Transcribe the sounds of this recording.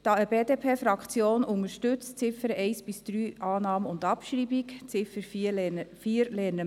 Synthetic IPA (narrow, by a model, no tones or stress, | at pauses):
d̥ɑːəbeːdeːpʰeːfɾɑkt͡sjoːnʊŋəɾʃtʉt͡st͡sɪfəɾɛɪsb̥ɪsd̪̥ɾyːʔɑːnɑːməʊndɑpʃɾiːbikt͡sɪfəɾ | fiːɾlɛːnə